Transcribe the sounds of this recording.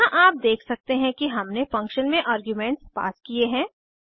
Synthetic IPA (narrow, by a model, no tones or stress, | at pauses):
ãʔaːp̚d̪eːkʰsɐk̚t̪eɦɛ̃kiɦɐmnefɐ̃ŋkʃənmẽʔaːɾɡjumɛ̃ːɳʈspa̰ːskieɦɛ̃ː